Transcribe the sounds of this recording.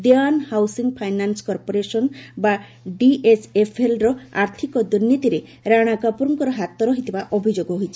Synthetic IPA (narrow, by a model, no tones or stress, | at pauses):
d̪eanhawsiŋpʰajnanskɔɾpoɾesɔnba | ɖiʔesʰepʰelɾɔa̰ɾt̪ʰikɔd̪uɾnit̪iɾeɾaɽ̃akapuɾɔŋkɔɾɔɦat̪ɔɾɔɦit̪ibaʔɔbʱid͡ʒoɡɔɦojt͡ʃʰi̥